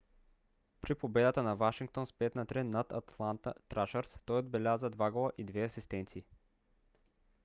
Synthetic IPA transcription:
pɾipobɛd̪ət̪ənɐvaʃiŋk̚t̪onspɛt̪nɐt̪ɾɛnːat̪ɐt̪ʰlˠant̪ə̰t̪ːɾaʃəɾst̪ɔjod̪̚bɛlʲazəd̪vaɡolˠəʔid̪vɛɐsist̪ɛnt̪siː

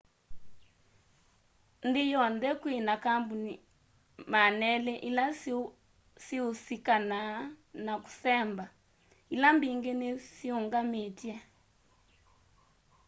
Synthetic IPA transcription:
ndijɔndɛkwinakambuni | manɛlɛʔila | siusikananaku̥sɛmba | ilambiŋɡenesiuŋɡametja

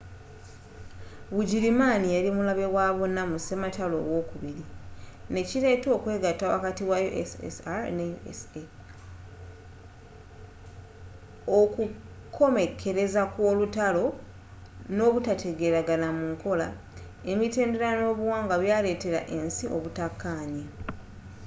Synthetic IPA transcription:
βuɟiɾimaːnijaɾimulaβe̞waːβo̞nːamusematalo̞̰ːwo̞ːkuβiɾine̞ciɾe̞to̞ːkwe̞ːɡatːawa̰katiwajoʔḛsḛsaneḛse | oku | kʰo̞me̞kʰːe̞ɾe̞zakwo̞ːlutalo̞ | no̞ːβutatʰe̞ɡe̞ɾaɡanamuŋko̞la | e̞mite̞ːnde̞ɾano̞ːβuwaːŋɡaβjaːle̞ːte̞ɾa̰ʔe̞nsiʔo̞̰βutakːaːɲa

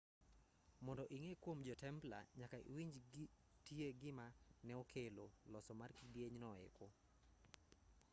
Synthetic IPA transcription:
mɔndɔʔiŋekwomd͡ʒɔtɛmpla̰ɲakaḭwiɲd͡ʒ | tieɡɪmanɛokʰelolɔsɔmarkidjeɲnɔɪ̰ko

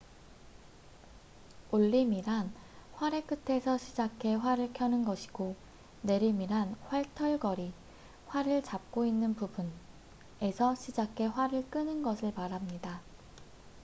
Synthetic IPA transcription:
oɭːimiɾanɸwaɾe̞k͈ɯtʰe̞sʰʌɕʰid͡ʑakʰe̞ɸwaɾɯɭkʰjʌnɯnɡʌɕʰi̥ɡo | ne̞ɾimiɾanɸwaɭtʰʌɭɡʌɾi | ɸwaɾɯɭt͡ɕap̚k͈oinːɯnpubun | e̞sʰʌɕʰid͡ʑakʰe̞ɸwaɾɯɭk͈ɯnɯnɡʌsʰɯɭmaɾɦamɲida

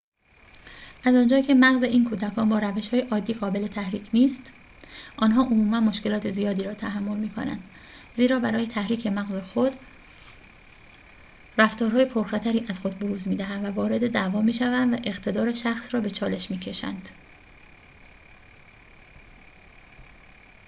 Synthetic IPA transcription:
ʔæzɒːnd͡ʒɒːcʰe̞mæɣze̞ʔiːnkʰuːd̪ækʰɒːnbɒːɾæveʃhɒːje̞ʔɒːd̪ːiːɣɒːbe̞le̞t̪ʰæhɾiːcʰniːst̪ | ʔɒːnɦɒːʔomuːmænmo̞ʃce̞lɒːt̪ʰe̞zijɒːd̪iːɾɒːt̪ʰæɦæmːo̞lmiːkʰo̞̰næ̰nd̪̥ | ziːɾɒːbæɾɒːjet̪ʰæhɾiːcʰe̞mæɣze̞xod̪̥ | ræft̪ɒːɾɦɒːje̞pʰoɾxæt̪ʰæɾiːʔæz̥xod̪̚boɾuːzmiːd̪æɦænd̪vævɒːɾe̞d̪e̞d̪ævɒːmiːʃævænd̪væʔe̞ɣt̪ʰe̞d̪ɒːɾe̞ʃæxsrɒːbe̞t͡ʃʰɒːle̞ʃmiːcʰe̞ʃæ̰nd̪̥

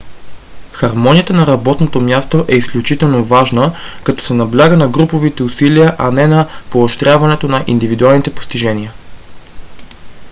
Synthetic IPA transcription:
xɐɾmɔnʲijət̪ənɐɾɐbɔt̪not̪omʲjast̪oʔɛisklʲut͡ʃit̪ɛlˠnovaʒnəkɐt̪ɔ̥sɛnɐblʲaɡənɐɡɾupovit̪ɛusiliəʔɐnɛnɐpooʃt̪ɾʲjavɐnɛt̪onɐʔḭnd̪ivid̪ualˠnit̪ɛpo̥st̪iʒɛniə

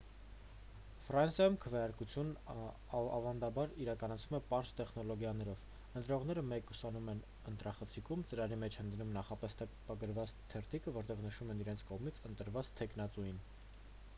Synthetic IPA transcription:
frɑnsjɑjumkʰəvjɑɾkut͡sʰjun | ɑvɑnd̪ɑbɑɾiɾɑkɑnɑt͡sʰvumɛpɑɾzt̪ɛχnɔlɔɡjɑnɛɾɔv | ənt̪ɾɔʁn̪ɛɾəmɛkusɑnumɛn | ənt̪ɾɑχət͡sʰikʰumt͡səɾɑɾimɛt͡ʃʰhənd̪numnɑχɑpɛst̪ʰɛpɑɡəɾvɑt͡st̪ʰɛɾt̪ʰikəvɔɾt̪ɛʁnəʃumɛniɾɛnt͡sʰkɔʁmit͡sʰənt̪əɾvɑt͡st̪ʰɛkʰnɑt͡sujin

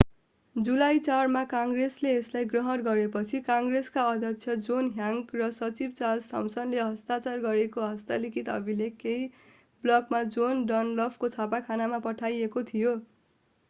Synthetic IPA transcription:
d͡zulajt͡sarmakaŋɡresleːslajɡrʌɦʌnɡʌɾepʌt͡sʰikaŋɡreskaʌd̪ʱjʌkt͡sʰjʌd͡zonɦjaŋɡrʌsʌt͡sibt͡salsʌmsʌnleɦʌst̪at͡sarɡʌɾekoɦʌst̪alikʰit̪ʌ̰bʱilekej | blʌkmad͡zonɖʌnlʌbʰkot͡sʰapakʰanamapʌʈʰajekot̪ʰijo

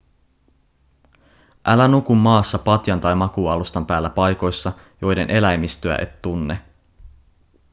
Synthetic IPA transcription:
ʔælænukumːɑːsːɑpɑt̪jɑnt̪ɑjmɑkuːɑlust̪ɑmpæːlːæpɑjko̞jsːɑ | jo̞jde̞nʔe̞læjmist̪øæ̰ʔe̞̰t̪ːunːe

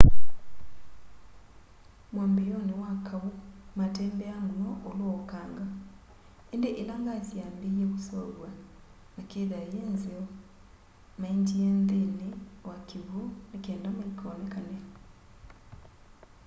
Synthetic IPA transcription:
mwaːmbejonewakʰaβumateːmbɛanwɔʔolwokaːŋɡa | endeʔelaŋɡazjaːmbiekusɔɣwa | nakeðajeːnzeɔ | maiɲd͡ʒieːnðenewakiβunekeːndamoikʰɔːnekane

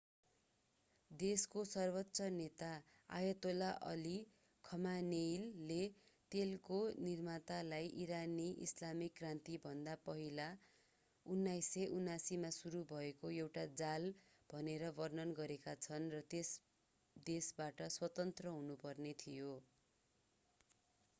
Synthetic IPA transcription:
d̪eskosʌrbʌtːsʌnet̪a | a̰jʌt̪olaʔʌ̰li | kʰʌmanejlːet̪elkonirmat̪alajʔiɾaniʔḭslamikrant̪ibʱʌnd̪apʌɦila | unːajsʌʔunːasimasuɾubʱʌekoewʈad͡zal | b̥ʱʌneɾʌbʌrnʌnɡʌɾekat͡sʰʌnrʌt̪es | d̪esbaʈʌswʌt̪ʌnt̪rʌɦunupʌrnet̪ʰijo

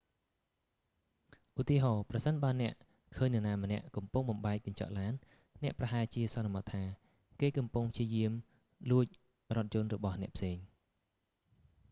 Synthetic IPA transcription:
ʔut̪iəɦɑːprɑsənɓaənɛ̆əʔ | kʰəːɲnɛ̆naːmə̆nɛ̆əʔkɑmpuŋɓɑmɓaɛk̚kɑɲt͡ɕɑ̰ʔlaːnː | nɛ̆əʔprɑɦaɛt͡ɕiəsɑnɑmɑt̪ʰːaː | keːkɑmpuŋpʰt͡ɕiəjiəm | luəc̚ | rŏət̪̚t͡ɕʊ̆ənrɔɓɑhnɛ̆əʔpʰseːŋ

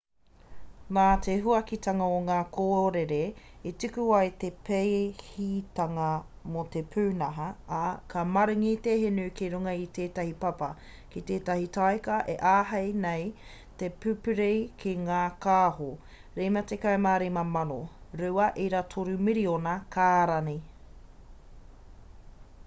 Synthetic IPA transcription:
ŋaːtʰeɦuɐkit̪ʰɐŋɐoŋaːkʰoːɾeɾeetikuɐjt̪epʰejhitɐŋɐ | mot̪epʰʉːnɐɦɐːkʰɐmɐɾɯŋit̪eɦenukiɾuŋɐit̪eːtɐhipɐpɐ | kit̪eːtɐhitʰajkɐʔeʔaːɦɐjnej | tepʉpʉɾejkʰiŋaːkaːɦo | ɾejmɐt̪ekajmaːɾemɐmɐnoɾuɐʔeɾatʰoɾumiɾionɐkʰaːɾɐni

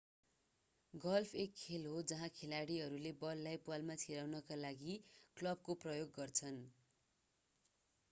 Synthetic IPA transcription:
ɡʌlpʰekʰːelɦod͡zʌɦãkʰelaɽiɦʌɾulebʌlːajpwalmat͡sʰiɾawnʌkalaɡiklʌb̚koprʌjoɡːʌrt͡sʰʌn

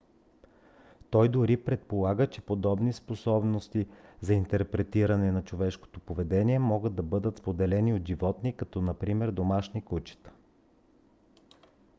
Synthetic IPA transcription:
t̪ɔjd̪ʊɾipɾɛt̪̚polˠaɡət͡ʃɛpod̪ɔbnisposɔbnost̪izɐint̪ɛɾpɾɛt̪iɾɐnɛnɐt͡ʃovɛʃko̥t̪opovɛd̪ɛniɛmɔɡəd̪ːɐbɤd̪ət̪spod̪ɛlɛniod̪ʒivɔt̪nikɐt̪ɔnɐpɾimɛɾd̪omaʃnikut͡ʃɛ̥t̪ə̥

